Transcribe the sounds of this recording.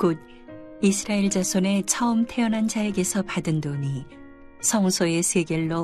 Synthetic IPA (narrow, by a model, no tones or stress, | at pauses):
kod̚ | isʰɯɾaeɭd͡ʑasʰone̞t͡ɕʰʌɯmtʰe̞ʌnɦand͡ʑaeɡe̞sʰʌpadɯndoɲi | sʰʌŋsʰoe̞sʰeɡjʌɭːo